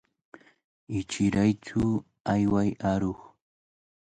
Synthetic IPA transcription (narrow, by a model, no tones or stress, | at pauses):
ɪt͡ʃɪɾajt͡ʃʊ | ajwajaɾoχ